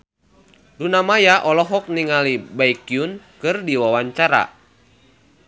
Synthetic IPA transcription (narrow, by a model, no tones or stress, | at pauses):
dunamajaʔɔlɔɦɔk̚niŋalibaikiunkɨrdiwawaɲt͡ʃaɾa̰